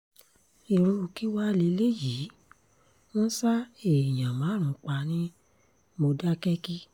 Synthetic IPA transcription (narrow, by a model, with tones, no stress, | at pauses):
i˨ɾ̃ũ˧o˧ki˦wa˦le˧le˦ji˨˦ | wɔ̃˦sa˦e˨j̃ã˨mãː˨˦ɾ̃ũ˨˦k͡pa˧nĩ˦ | mo˧da˦kɛ˦ki˦